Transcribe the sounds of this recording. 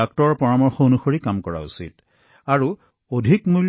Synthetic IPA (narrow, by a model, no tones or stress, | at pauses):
ak̚tɔɹpɔɹamɔɹxɔonuxoɹikamkɔɹa̰ṵsḭt | aɹu | odʱikmul